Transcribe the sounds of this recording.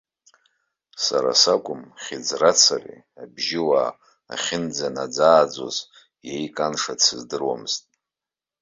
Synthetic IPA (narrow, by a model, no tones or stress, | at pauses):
saɾa̰sakʷʼʊmχʲid͡zrat͡sʰarḭ | abʒɪwaː | χʲɪnd͡zanad͡zaːd͡zo̰z | jejkʼanʂat͡sʰɨzdɨrwamɨz̥tʼ